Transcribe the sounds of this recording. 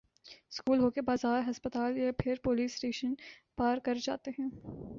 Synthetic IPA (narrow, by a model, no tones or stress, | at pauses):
skuːlɦoːkebaːzaːɾɦɐspət̪aːljapʰɪɾpoːliːsʈeːʃənpaːɾkɐɾd͡ʒa̰ːt̪eɦɛ̃ː